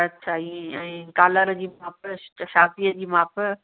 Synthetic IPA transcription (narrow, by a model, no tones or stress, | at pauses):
ɐtːɕʰaiɛ̃ːkaːləɾd͡ʑiːmãːpʃaːfiːəd͡ʑiːmãːp